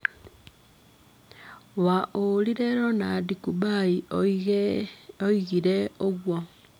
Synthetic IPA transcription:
waʔoliɾeɾonadikubai | oiɣiɾeoɣwo

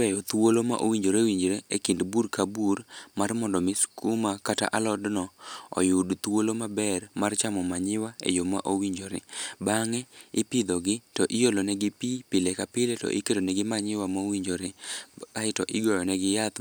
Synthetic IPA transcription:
ɛjɔt̪uwolomaʔo̰wiɲd͡ʒoɾewiɲd͡ʒɾeekɪndburkabuɾmarmɔndɔmɪskʰumakata̰ʔalɔdnɔɔ̰jʊdt̪wolomabɛrmart͡ʃamɔmaɲɪwaḛjomaʔowiɲd͡ʒoɾḛbaŋɛɪpɪd̪ɔɡɪtɔʔɪjolɔnɛɡɪpipɪlekapɪlɛtɔ̰ʔɪkedonɛɡɪmaɲɪwamawiɲd͡ʒoɾeaɪtɔʔɪɡɔjɔnɛɡɪjat̪

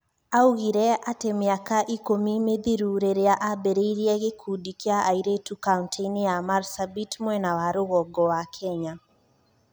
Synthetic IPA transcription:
auɣiɾɛatemɪakaʔikomimeðiɾuɾeɾeaʔabeɾeiɾiɛɣekʰudikeaʔaiɾetukauntʰeinjamaɾsabitmwɛnawaɾoɣɔɡɔwakʰɛɲa

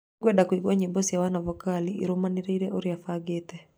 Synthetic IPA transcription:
ɡwɛdakwiɡwaɲibɔsjawanavɔkaliʔːɾomaniɾeiɾɛʔoɾjafaɡetɛ

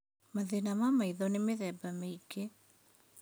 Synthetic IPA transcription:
maðenamamaiðɔnemeðɛbameike

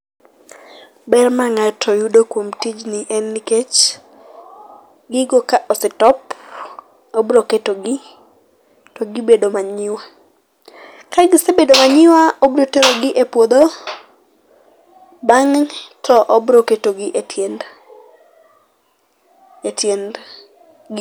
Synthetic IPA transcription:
bɛrmaŋatʰɔjudokwomtid͡ʒnɪʔɛnːɪket͡ʃ | ɡɪɡokaʔɔsetɔp | obɾoketoɡɪ | tɔɡɪbedomaɲɪwa | kaɡɪsebedomaɲɪwaobɾoteɾoɡɪʔepwod̪o | baŋtʰɔʔɔbɾoketoɡɪʔetjend | etjend | ɡ

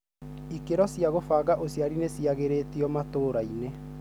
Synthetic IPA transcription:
ikeɾɔsiaɣofaɣaʔosjaɾinesiaɣeɾeːtiɔmatoːɾaine

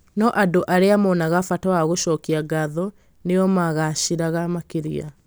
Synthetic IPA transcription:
nɔʔadoʔaɾeamɔnaɣafatawaɣoɕɔːkiaɡaðɔ | neɔmaɣaɕiɾaɣamakeɾḭa̰

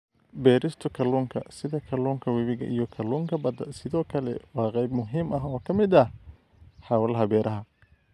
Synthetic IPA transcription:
bɛːɾɪst̪ʰʊkʰɐluːŋkʰɐ̰sɪðɐkʰɐluːŋkʰɐwɐβɪɣɐ̰ʔijɞkʰɐluːŋkʰɐbɐd̪ɐsɪðɔːkʰɐlɛ̰wɑːqɛjbmʊɦiːmʔɐɦɔːkʰɐmɪd̪ɐh | ħɑːwɐlɐɦɐbɛːɾʔɐɦɐ

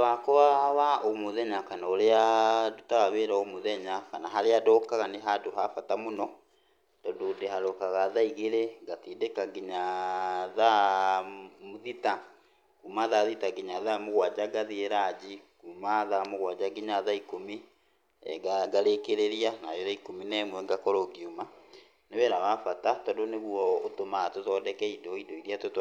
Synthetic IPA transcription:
wakɔwawaomuðɛɲakanaoɾeadutaɣaβeːɾaomoðɛɲakanaɦaɾeadɔkaɣaneɦadoɦafatamonɔ | tɔdodehaɾdɔkaɣaðaiɣeɾeɡatiːdekaɡiɲa | ða | muðita | kuːmaðaðitaɡiɲaðamoɣwad͡ʒaɡaðieɾad͡ʑikuːmaðamoɣwad͡ʒaɡiɲaðaikomi | ɛ̰ɡaɡaɾekeɾeɾianaɾeɾaikominɛmwɛŋɡakɔɾɔɡiuma | newɛɾawafatatɔndoneɣwɔotomaatoðɔdɛkɛidɔidoiɾiatot

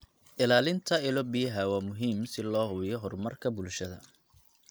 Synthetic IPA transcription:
ʔɪlaːlɪnt̪ʰɐɪlɔbɪjɐɦɐwɑːmʊɦiːmsɪlɔːhʊβjɔɦɔrmɐrkʰɐbʊlʃɐðɐ̰

